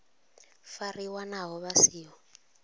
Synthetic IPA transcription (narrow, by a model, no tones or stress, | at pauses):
fariwanaɦɔβasiːɦɔ